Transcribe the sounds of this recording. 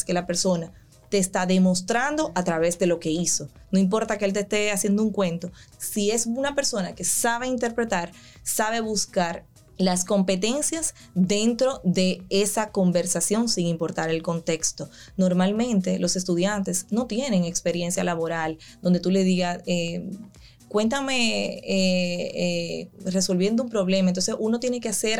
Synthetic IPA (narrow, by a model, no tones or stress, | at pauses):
ske̞lape̞ɾso̞na | t̪e̞ːst̪aðe̞mo̞st̪ɾand̪o̞ʔat̪ɾaβe̞sd̪e̞lo̞ke̞iso̞no̞imp̬o̞ɾt̪akeelt̪est̪e̞asje̞nd̪ouŋkwe̞nt̪o̞sie̞sunape̞ɾso̞nake̞saβ̞e̞int̪e̞ɾpɾe̞t̪aɾ | saβ̞e̞βuskaɾ | lasko̞mpe̞t̪e̞nsjas | d̪e̞nt̪ɾo̞ðe̞esako̞mbe̞ɾsasjo̞ŋsiŋimpo̞ɾt̪aɾe̞lko̞nt̪e̞kst̪o̞ | no̞ɾmalmẽ̞nt̪e̞lʔo̞se̞s̬t̪uðjant̪e̞sno̞t̪je̞ne̞ŋekspe̞ɾje̞nsjalaβo̞ɾal | d̪o̞nd̪e̞t̪ule̞ðiɣase | kwe̞nt̪̬ame̞eere̞so̞lβje̞nd̪oumpɾo̞βle̞maent̪o̞nsesuno̞t̪je̞ne̞kease̞ɾ